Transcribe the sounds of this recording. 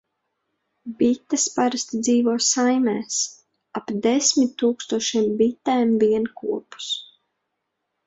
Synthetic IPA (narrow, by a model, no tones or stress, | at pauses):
bit̪ːaspaɾast̪id̪ziːvuɔsajmɛːs | apd̪ɛsmit̪ːuːkst̪uɔʃiɛmbit̪ːɛːmviɛnkuɔpu̥s